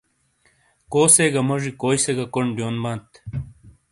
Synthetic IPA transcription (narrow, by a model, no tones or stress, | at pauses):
koːseɡɐmɐʐikoːjseɡɐkoɳɖjoːnbãːnt̪